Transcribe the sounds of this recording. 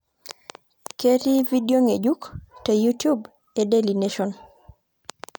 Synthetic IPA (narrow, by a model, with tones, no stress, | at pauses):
ke˦ɾi˦vi˦dio˦ŋe˨d͡ʒu˦kte˨jutju˦b | e˨deli˨neʃɔn